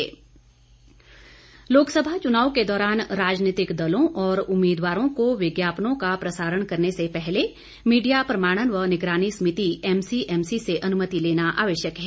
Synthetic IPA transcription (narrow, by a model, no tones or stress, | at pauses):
loːksəbʱat͡ʃʊnaːwked̪ɔːɾaːnɾaːd͡ʒnɪːt̪ɪkd̪ɐlõʔɔːɾʊmːiːd̪ʋaːɾõkoʋɪɡjaːpnõkapɾɐsaːɾəɽ̃kɐɾnesepɛɦle | miːɖijapɾɐmaːɽ̃ənʋɐnɪɡɾaːñismɪt̪iɛːmsiʔɛːmsiseʔɐnʊmət̪ileːnaʔa̰ːʋəʃjəkɦɛː